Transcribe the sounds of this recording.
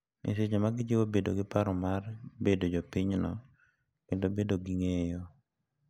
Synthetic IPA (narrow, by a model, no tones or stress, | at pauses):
ḭset͡ʃemaɡɪd͡ʒiwobedo̰ɡɪpaɾɔmarbedod͡ʒɔpɪɲnɔ̰ | kendobedoɡiŋejɔ